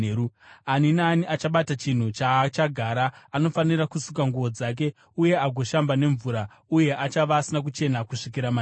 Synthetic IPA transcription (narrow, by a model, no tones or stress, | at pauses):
uaninaːniʔat͡ʃaɓatat͡ʃin̤ut͡ʃat͡ʃaɡʱaːɾaːno̞faniɾakusukaŋɡuʋo̞d͡zak̬e̞ | uje̞aɡʱo̞ʃambane̞ɱvuːɾa | uje̞ʔat͡ʃaʋaːsinak̬ut͡ʃe̞nakuʂikiɾama